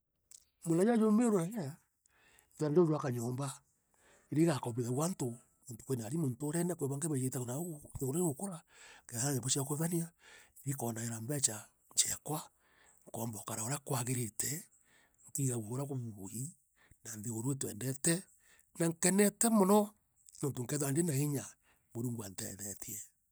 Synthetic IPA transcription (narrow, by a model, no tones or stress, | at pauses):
molajajomeoɾoɾajaja | twandoɾwakaɲoːmba | iɾeɣakɔβeɣawanto | onto̥kwenaɾimontoɾɛnakweβaŋkeβejetaɣonaeɣoɾaeɣokoɾakeaeβoʃiakoβaniaiɾikɔnaeɾambɛt͡ʃa | ɲt͡ʃɛkwa | ŋkɔːmbɔkaɾaoɾakwaɣeɾetʰɛ | ŋkiɣawoɣoɾakoβuβohi | nanðeɣoɾwetwɛ̰ndɛtɛ | naŋkɛnɛtɛmɔnɔ | nontoŋkɛðoandenaeɲa | moɾuŋɡwantɛ̰ðɛtiɛ